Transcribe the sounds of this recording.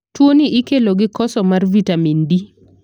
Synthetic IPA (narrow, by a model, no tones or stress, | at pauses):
twoniʔɪkeloɡɪkɔsɔmarvitamindi